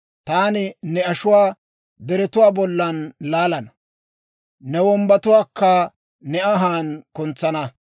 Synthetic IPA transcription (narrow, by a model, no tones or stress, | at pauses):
t̪aːnɪnɛɐʃʊwaː | d̪ɛɾɛt̪ʊwaːbɔlːɐnlaːlɐnɐ | nɛwɔmbɐt̪ʊwaːkːɐ | nɛɐɦaːnkʊnt͡sːɐnɐ